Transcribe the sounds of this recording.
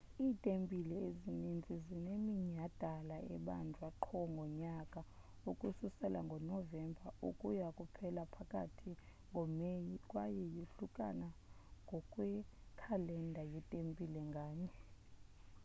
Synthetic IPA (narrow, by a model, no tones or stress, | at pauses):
iːtʼempʼilɛezinind͡zʱizinemiɲad̥ʱalaɛ̰ɓa̰ndʱwaǃʰɔŋɡʱɔɲakʼa | ukʼususɛlʔaŋɡʱɔnɔvɛmbʱaṵkʼujakʼupʰɛlapʰakʼa̰tʰi | ŋʱɔkʼwajɛjiɬukʼa̰naŋɡʱɔkʼwɛkʰalɛndʱajitʼempʼilɛŋɡʱaːɲɛ